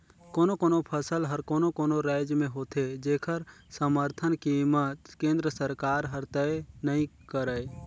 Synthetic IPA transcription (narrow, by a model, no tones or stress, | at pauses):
koːnokoːnopʰəsəlɦəɾkoːnokoːnoɾaɪd͡ʒmẽɦoːt̪ʰed͡ʒeːkʰəɾsəməɾt̪ʰənkimət̪kẽːnd̪ɾəsəɾkaːɾɦəɾt̪əenəɦĩkəɾəe